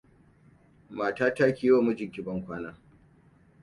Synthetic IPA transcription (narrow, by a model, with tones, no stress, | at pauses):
maː˨taː˦taː˦kʲi˨joː˦˨mu˦d͡ʒɪ˨ŋkʲɪ˨bɐ˦ŋkʷaː˦naː˦